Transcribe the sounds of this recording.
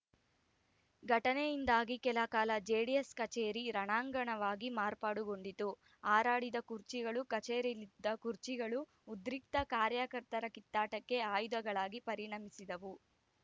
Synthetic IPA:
ɡʱɐʈɐnejind̪aːɡikɛlɐkaːlɐd͡ʒeːɽieskɐt͡ʃeːɾiɾɐɳaːŋɡɐɳɐʋaːɡimaːɾpaːɽuɡo̞ɳɖit̪u | aːɾaːɽid̪ɐkuɾt͡ʃiɡɐɭukɐt͡ʃeːɾilid̪ːɐkuɾt͡ʃiɡɐɭuː | d̪ɾik̚t̪ɐkaːɾjakɐɾt̪ɐɾɐkit̪ːaːʈɐkːe̞aːjd̪ɐɡɐɭaːɡipɐɾiɳɐmisid̪ɐʋu

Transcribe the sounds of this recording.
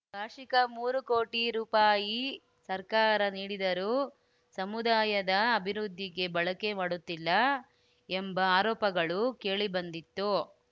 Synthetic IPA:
bʱaːʂikɐmuːɾuko̞ːʈiɾuːpaːji | sɐɾkaːɾɐniːɽid̪ɐɾuː | sɐmud̪aːjɐd̪ɐːbʱiɾud̪ʱːiɡe̞bɐɭɐke̞maːɽut̪ːilːɐ | embɐaːɾɔːpɐɡɐɭuke̞ːɭibɐnd̪it̪ːu

